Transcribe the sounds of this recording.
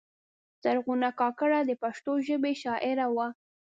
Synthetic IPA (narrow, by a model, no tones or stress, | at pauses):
z̥aɾɣunakɑkəɽad̪əpaʃt̪oʒəbeʃɑʔɪɾawa